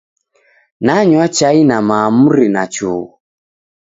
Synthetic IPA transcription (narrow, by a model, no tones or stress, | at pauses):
naɲwat͡ʃainamamuɾinat͡ʃuː